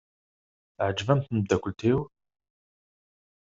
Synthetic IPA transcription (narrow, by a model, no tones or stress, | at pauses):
ʕəd͡ʒvæmθnəd̪ækʷʊlt̪ʰiw